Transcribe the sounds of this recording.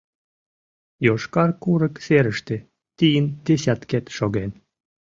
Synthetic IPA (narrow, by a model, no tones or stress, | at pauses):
joʃkɑrkuɾə̆kseɾə̆ʃt̪ĕ | t̪ijənd̪̥esʲæt̪ket̪ʃoɣen